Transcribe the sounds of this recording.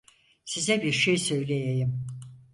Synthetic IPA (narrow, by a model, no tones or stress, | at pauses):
sizɛbiɾʃejsø̞jlʲejejim